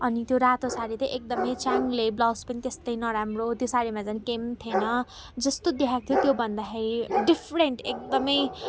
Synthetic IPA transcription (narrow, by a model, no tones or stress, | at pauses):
ʌnit̪joɾat̪osaɾit̪ʌʔek̚d̪ʌmʌjt͡saŋɡleblawspʌnit̪est̪ʌjnʌɾamrot̪josaɾimad͡zanikemt̪ʰjenʌ | d͡zʌst̪od̪iɦakt̪ʰjot̪jobʱʌnd̪akʰeɾiɖipʰɾeɳʈek̚d̪ʌmʌj